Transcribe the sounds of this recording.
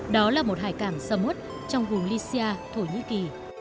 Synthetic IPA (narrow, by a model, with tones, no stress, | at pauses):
ɗɔ˨˦laː˨˩mo˨˩t̚ɦaː˧˨˩jkaː˧˩ŋsaː˧mo˦˥t̚ | t͡ɕɔ˧wŋ͡mvʊ˨˩ŋ͡mli˧si˧aː˧t̪ʰo˧˩ɲḭ˧˥ki˨˩